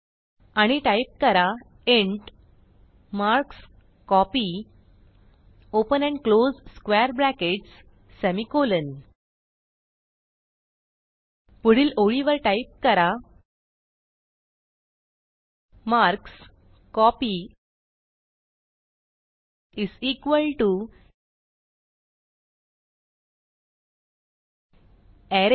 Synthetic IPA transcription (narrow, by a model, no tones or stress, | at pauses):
aɽ̃iʈajp̚kəɾa | eɳʈ | maɾks | kɔpi | opənɛ̃ɳɖklod͡zskʋɛɾblækeʈs | sæmikolən | puɽ̤iːloɭiʋəɾʈaip̚kəɾa | maɾks | kɔpi | isikʋəlʈu | ɛɾ